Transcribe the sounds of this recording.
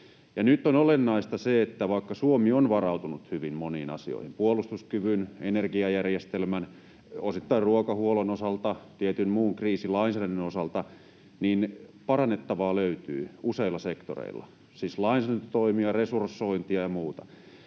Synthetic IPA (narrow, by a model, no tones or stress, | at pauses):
jɑnyt̪ːonolenːɑist̪ɑseet̪ːæʋɑikːɑsuomionʋɑrɑut̪unut̪hyʋimmoniːnɑ̰sio̰ihimpuolust̪uskyʋynenerɡiɑjærjest̪elmæn | osit̪ːɑirruokɑhuolonosɑlt̪ɑt̪iet̪ynmuːŋkriːsilɑinsæːdændynosɑlt̪ɑ | niːnpɑrɑnːet̪ːɑʋɑːløyt̪y̰ːuseilːˑɑsekt̪o̰rḛilːɑ̰ | sislɑinsæːɾænt̪yt̪oimiɑresursːoint̪iɑjɑmuːt̪ɑ